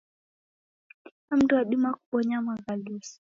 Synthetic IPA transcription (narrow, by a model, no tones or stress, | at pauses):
iam̩tuwaɗimaku̥ɓɔɲamaɣalusi̥